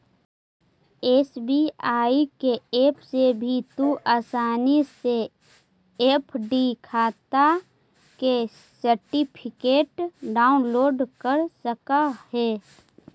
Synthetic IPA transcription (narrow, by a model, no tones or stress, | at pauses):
eːsbiaːikeeːpʰsebʱit̪uʔaːsaːnise | eːpʰɖikʰaːt̪a | ke | səɾʈipʰɪkeːʈɖaːʊnloːɖkəɾsəkahɛː